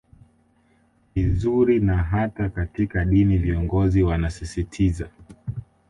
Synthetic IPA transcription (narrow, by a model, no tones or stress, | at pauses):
vizuɾinaɦatakatikaɗiniviɔŋɡɔziwanasisitʰiza